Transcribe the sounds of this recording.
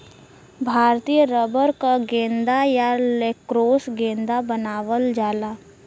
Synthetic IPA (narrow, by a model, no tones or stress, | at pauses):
bʱaːɾt̪iːjəɾəbəɾkaɡẽːnd̪ajalekɾoːsɡẽːnd̪abənaːʋəld͡ʒaːlaː